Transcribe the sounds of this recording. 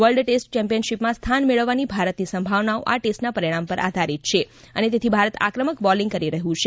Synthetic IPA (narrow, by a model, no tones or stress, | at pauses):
ʋəɭɖʈesʈt͡ʃɛ̃mpijənʃipmãst̪ʰanmeɭəʋːanibʱaɾət̪nisəmbʱaʋnao̰ʔa̰ʈesʈnapəɾiɽ̃ãmpəɾʔa̰d̪ʱaɾit̪̚t͡ʃʰe | ənet̪et̪ʰibʱaɾət̪a̰kɾəməkbɔliŋɡkəɾiɾəɦũt͡ʃʰe